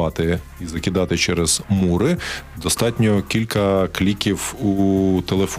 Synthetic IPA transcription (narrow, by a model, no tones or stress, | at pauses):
ɑt̪ɪ | izɐkʲɪd̪ɑt̪ɪt͡ʃɛɾɛz̥muɾɪd̪ɔst̪ɑtʲnʲɔkʲilʲkɐklʲikʲiwut̪elˠef